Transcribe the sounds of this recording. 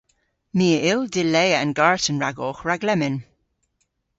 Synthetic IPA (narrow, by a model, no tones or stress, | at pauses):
miːəʔɪldɪlɛːəə̰nɡaɹtənɹaɡɔːxɹaɡlɛmɪn